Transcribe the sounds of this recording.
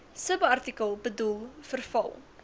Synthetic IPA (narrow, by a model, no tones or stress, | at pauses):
səbɐrtikəlˠbədulˠfərfɐ̰lˠ